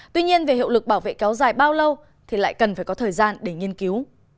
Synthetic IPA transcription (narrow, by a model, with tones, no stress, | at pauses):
t̪wi˧ɲi˧ənve˨˩hḭ˧˨wlɨ˨˩k̚ɓaː˧˩wvḛ˧˨kɛ˨˦wzaː˨˩jɓaː˧wlə˧w | t̪ʰi˨˩la̰ː˧˨jkə˨˩nfaː˧˩jkɔ˨˦t̪ʰəː˨˩jzaː˧nɗe˧˩ŋi˧ənki˨˦w